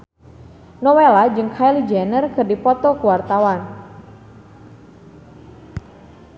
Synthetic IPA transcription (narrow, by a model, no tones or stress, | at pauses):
nɔwelad͡ʒɨŋkʰajlid͡ʒanərkɨrdipɔt̪ɔkuwart̪awan